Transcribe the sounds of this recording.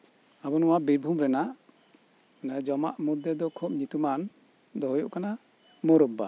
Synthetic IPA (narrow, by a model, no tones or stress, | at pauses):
abɔnɔwabiɾbʱumɾɛnaʔ | nad͡ʒɔma̰ʔmud̪jɛd̪ɔkʰɔp̚ɲit̪uman | d̪ɔɦjɔʔkana | mɔɾɔbːa